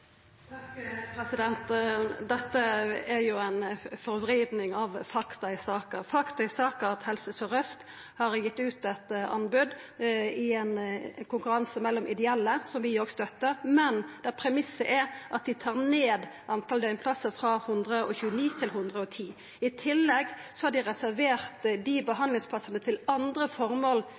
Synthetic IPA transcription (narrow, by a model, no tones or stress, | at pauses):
kpʰɾɛsɪd̪ɛnt̪d̪ɛt̪ːəæɾjʊæɪnfɔɾʋɾeːd̪nɪŋɑʋfɑkt̪ɑɪsɑːkəɾfɑkt̪ɑɪsɑːkəɾɑt̪hɛlsəsɔʁœst̪ | hɑɾjɪt̪ːʉːt̪ɛt̪ɑ̰nbʉd̪ɪɛnkʰʊŋkʉɾɑnsəmɛlːɔmʔɪd̪ɛɛlːəsɔmʋɪjɔːɡst̪œt̪ːəɾmɛnd̪̥æpʰɾɛmɪsːəʔæɾʔɑt̪̚d̪ɪt̪ʰɑːʁneːd̪ʔɑnt̪ʰɑld̪œʏnpʰlɑsəfɾɑhʊnd̪ʁəʔɔ̰çʉːəniːt̪ʰɪlɦʊnd̪ʁəɔt̪ʰiː | ɪt̪ʰɪlːɛɡsɔhɑɖɪʁɛsæɾʋeːʁt̪d̪ibəɦɑnd̪lɪŋspʰlɑsənət̪ʰɪlɑnd̪ɾəfɔɾmoːl